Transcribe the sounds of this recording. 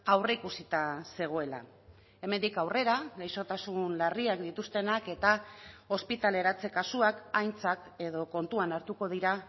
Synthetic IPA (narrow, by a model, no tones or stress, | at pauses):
awreikusit̪ase̞ɣ̞o̞e̞la̰ | e̞me̞nd̪ikawre̞ɾaɣejso̞t̪asunlariakd̪it̪ust̪e̞nake̞t̪ao̞spit̪ale̞ɾat͡se̞kasuakajnt͡sake̞ðo̞ko̞nt̪uanaɾt̪uko̞ðiɾa